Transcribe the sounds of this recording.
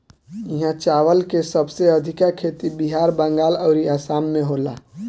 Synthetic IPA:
iɦãt͡ʃaːʋəlkesəbseəd̪ʱɪkakʰeːt̪ibiɦaːɾbə̃ŋɡaːləːɾiaːsaːmːẽɦola̰

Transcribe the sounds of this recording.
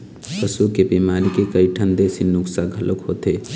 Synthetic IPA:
pəsukebiːmaːɾikekəiʈʰənd̪esinʊksaɡʱɐlʔokɦoːt̪eː

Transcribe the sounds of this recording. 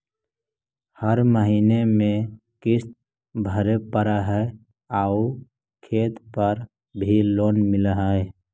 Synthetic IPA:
həɾməɦiːnemẽ | kɪst̪̚ | bʱəɾepəɾəɦɛe | au | kʰeːt̪pəɾ | bʱiloːnmɪlɦə

